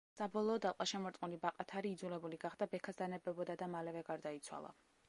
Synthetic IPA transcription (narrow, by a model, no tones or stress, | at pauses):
sabɔlˠɔːd̪alˠqʼaʃɛmɔɾt̪ʼmulibaqʼat̪ʰaɾiːd̪zulɛbuliɡaχd̪abɛkʰasd̪anɛbɛbɔd̪ad̪amalɛvɛɡaɾd̪ait̪sʰwa̰lˠa̰